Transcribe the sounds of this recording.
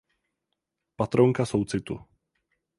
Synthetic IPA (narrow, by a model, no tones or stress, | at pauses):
pat̪ɾoŋkasowt͡sɪt̪ṵ